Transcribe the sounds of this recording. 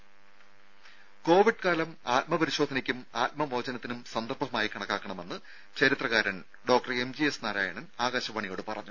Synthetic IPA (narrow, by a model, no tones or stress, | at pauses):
ko̞ːʋiɖ̚kaːlɐmaːt̪̚mɐpɐɾiɕoːd̪ʱɐnikʲːumaːt̪̚mɐmo̞ːd͡ʑɐnɐt̪ːinumsɐnd̪ɐrbʱɐmaːjikɐɳɐkːaːkːɐɳɐme̞nːɨ | t͡ɕɐɾit̪rɐɣaːɾɐn | ɖoːk̚ʈɐre̞md͡ʑiesnaːɾaːjɐɳɐnaːɣaːɕɐpɐɳijo̞ːɽɨpɐrɐ̰ɲːu